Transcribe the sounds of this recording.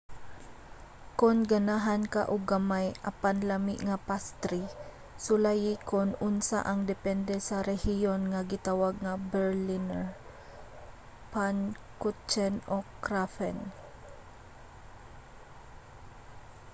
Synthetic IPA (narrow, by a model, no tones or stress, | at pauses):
konɡanaɦanka̰ʔʊɡamajʔapanlamḭʔŋapast̪ɾi | sʊlajikonʊnsa̰ʔaŋd̪ɛpɛnd̪ɛsaɾɛhijonŋaɡɪt̪awaɡ̚ŋabɛɹlinɛɹ | pan | kut͡ʃɛnokɾafɛn